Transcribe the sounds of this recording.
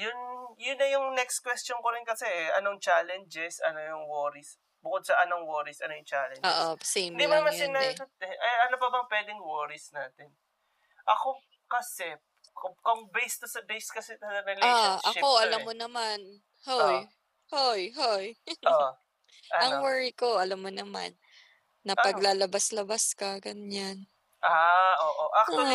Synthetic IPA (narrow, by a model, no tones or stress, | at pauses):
jʊnjʊnːɐjʊŋnɛks̚kwɛstt͡ʃonkoɾɪnkɐsɛʔɐnoŋt͡ʃaːlɛnd͡ʒɛsɐnojʊŋwoɾis | bʊkod̪̚sɐʔɐnoŋwoːɾisʔɐnojʊŋt͡ʃaːlɛnoʔosed̪imamɐsɪnajsɐt̪ɛʔɐʔɐnobɐbɐŋpwɛːd̪ɪŋwoɹɪsnaːt̪ɛn | ʔɐko | kɐsɛp | kʊkoŋbɛjst̪osɐbejskɐsɛt̪ɐɾɐlɛaʔɐoʔɐlamːonɐman | hoj | hojɦojo | ʔɐʔɐŋwɛɹiko̞ʔɐlamːonɐma̰nː | ɐpɐɡlalɐbaslɐbaskɐɡɐɲan | ʔaʔoːʔoʔɐkː